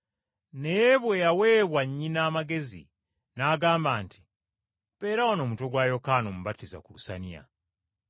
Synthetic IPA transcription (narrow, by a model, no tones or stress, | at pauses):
nejβwe̞jawe̞ːβwaɲːinaːmaɡe̞zḭ | naːɡaːmbaːnti̥ | βe̞ːɾawano̞ːmuto̞ɡwaːjo̞kaːno̞muβatːiza̰kulusa̰nia̰